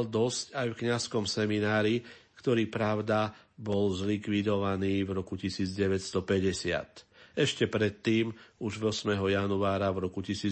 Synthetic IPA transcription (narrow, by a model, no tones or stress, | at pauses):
ld̪ɔscajfkɲaskɔmsɛminaːɾikt̪ɔɾiːpɾaʊd̪a | bɔlzlikʋid̪ɔʋaniːvɾɔkucisiːd͡zɟɛʋɛtst̪ɔpɛɟɛsɪa̰t̪ɛʃcɛpɾɛt̪ːiːmuʒʋɔsmɛɦɔjanuaːɾavɾɔkucisiː